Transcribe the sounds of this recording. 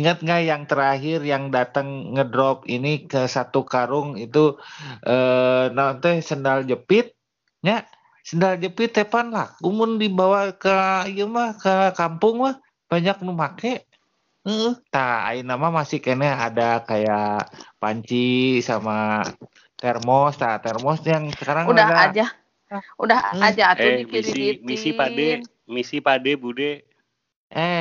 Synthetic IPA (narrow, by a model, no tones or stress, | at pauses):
iŋət̪̚ŋɡajaŋt̪əɾaɦɪrjaŋdat̪əŋːədɾɔpinikəsat̪ukaɾʊŋit̪uʔənaat̪ɛsəndald͡ʒəpɪt̪̚ | ɲaʔ | səndald͡ʒəpɪt̪ːepanlahumʊndibawakəijəmahkəkampʊŋmah | b̥aɲak̚numakɛ | əəht̪aa̰inamamasɪkenɛadakajapaɲt͡ʃisama | t̪ɛrmɔst̪at̪ɛrmɔsjaŋsəkaɾaŋudahdaad͡ʒa | udahad͡ʒaatoiiimisipadɛ | misipadɛbudɛ | ʔɛ